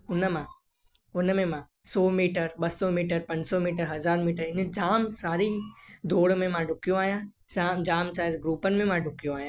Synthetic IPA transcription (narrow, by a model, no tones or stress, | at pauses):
ʊnmã | ʊnmẽmã | sɔːmiːʈəɾɓɐsɔmiːʈəɾpɐ̃ɲd͡ʑsɔmiːʈəɾɦɐzaːɾmiːʈəɾɪnəd͡ʑaːmsaːɾid̪ʱoːɽmẽmãɖʱʊkijõaːɦijã | aːmd͡ʑaːmsaːɾɡɾuːpənɪmẽmãɖʱʊkijõaːɦijãː